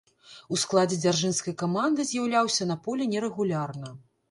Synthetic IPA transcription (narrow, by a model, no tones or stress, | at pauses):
usklˠad͡zʲɛd͡zʲarʐɨnskɐjkamand̪ɨzʲjawlʲawsʲɐnɐpɔlʲɛnʲɛɾɛɣulʲarnɐ